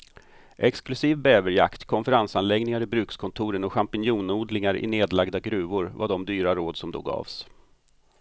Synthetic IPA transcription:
ʔɛksklɵsiːvbɛːvəɾja̰kt̪kʰɔnfəɾansanlɛɡnɪŋaɾɪbɾʉ̟ːkskʰɔnt̪ʰuːɾənɔɧampɪnjuːnuːd̪lɪŋaɾɪ̰neːd̪laɡd̪aɡɾʉ̟ːvʊɾvaɖɔmd̪yːɾaɾoːd̪sɔmd̪o̰ːɡɑ̰ːvs

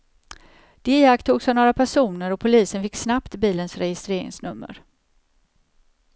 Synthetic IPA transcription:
d̪̥eːakt̪ʰuːɡsavnoːɾapʰæʂuːnəɾɔpʰʊliːsənfɪkːsnapt̪biːlənsɾɛjɪst̪ɾeːɾɪ̰ŋsnɵmːə̰ɾ

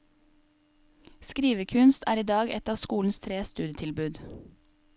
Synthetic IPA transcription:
skɾiːʋəkʰʉnst̪ʰæːɾiːd̪ɑːɡɛt̪ɑːʋskuːln̩st̪ʰɾeːst̪ʉːd̪jət̪ʰɪlbʉːd̪

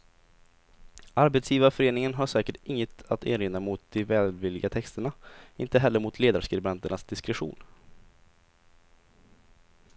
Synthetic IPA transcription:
ʔaɾbet̪sjiːvafœɾeːnɪŋənɦaʂɛːkəʈɪŋːət̪at̪ʰḛːɾeːnːamʊt̪̚d̪ɪvɛːlvɪlːɪɡat̪ʰɛkst̪əɳaɪnt̪əɦɛlːəɾmʊt̪ʰleːd̪aɾʂkɾɪbɛnt̪əɳasd̪ɪskɾɛɧṵːn

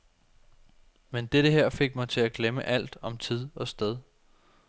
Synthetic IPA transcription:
mend̥eɾ̥əɦeɐ̰fe̝ɡ̥mɑ̈ɪt͡sʰe̝læɡ̥leməʔæl̰d̥ɒ̽mt͡sʰið̞̰ˠɒ̽sd̥eð̞ˠ

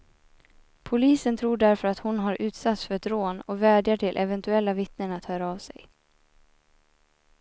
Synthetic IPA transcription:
pʰʊliːsənt̪ʰɾuːɖæɾfœɾat̪hʊnɦaɾʔʉ̟ːt̪sat̪sfœɾɛt̪ɾoːnɔvæːɖjaʈʰɪlʔɛvɛnt̪ɵɛlːavɪt̪nənat̪hœːɾaːvsɛ̰j

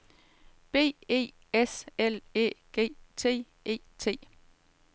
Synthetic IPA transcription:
b̥e̝̰ːe̝̰ː | eselḛːɡ̥e̝̰ːt͡sʰe̝̰ː | e̝̰ːt͡sʰe̝̰ː

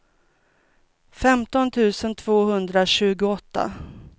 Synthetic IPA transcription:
fɛmt̪ɔnt̪ʰʉ̟ːsənt̪ʰv̥oːɦɵnd̪ɾaɕʉ̟ːɡʊɔt̪ːa̰

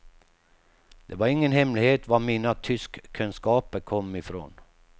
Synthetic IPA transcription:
d̪̥ɛvaɾɪŋːənɦɛmlɪheːt̪vamiːnat̪ʰʏskʰːɵnskɑːpəɾkʰɔmːɪfɾo̰ːn

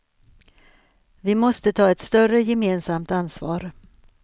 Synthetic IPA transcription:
vɪmɔst̪ət̪ʰɑːɛt̪st̪œrəjɛmeːnsamt̪ansvɑ̰ːɾ

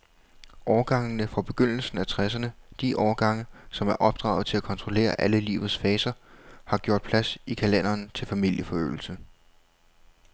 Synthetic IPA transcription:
ʔɒːɐɡ̥ɑ̈ŋnəfɒb̥e̝ɡ̥øn̰l̩sn̩æt͡sʰʁɛs̬ɐnəd̥iʔɒːɐɡ̥ɑ̈ŋ̰əsɒ̽mæɐʔɒ̽b̥̚d̥ʁɑ̰̈ʊð̞̩ˠt͡sʰe̝lækʰɒ̽nt͡sʰʁole̝̰ːɐʔæləlḭːʊð̩ˠsfɛːsɐhɑ̈ɡ̥jo̝ɐd̥̚pʰlæsikʰælen̰ɐːnt͡sʰe̝lfæmil̰jəfɒ̽ø̰ːl̩sə

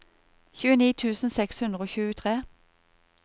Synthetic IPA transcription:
çʉːəniːt̪ʰʉːsn̩sɛkshʉnd̪ʁəoːçʉːt̪ʰʁeː

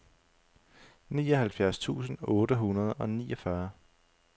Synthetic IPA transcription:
nḭːɒɦælfjæɐst͡sʰṵːsn̩ɔ̽ːɾəɦunɐð̞̩ˠɒ̽nḭːɒfɶɐ

